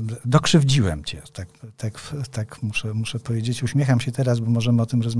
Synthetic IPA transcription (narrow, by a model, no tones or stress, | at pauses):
d̪ɔkʂɘvd͡ʑiwɛ̰mt͡ɕɛ̰t̪akt̪akt̪akmuʂɛmuʂɛpɔvʲjed͡ʑet͡ɕuɕmʲjexamɕɛt̪ɛɾas̬bɔmɔʐɛmɘɔt̪ɘmɾɔzm